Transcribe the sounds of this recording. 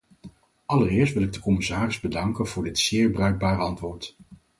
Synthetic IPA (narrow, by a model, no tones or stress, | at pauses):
ɑlərɪːɹs̬tʋɪlɪɡ̚dəkɔmɪsaːrɪzbədɑŋkənv̥ʊːɹdɪtsɪːɹbrœɥɡ̚baːɾəɑntʋʊːɹt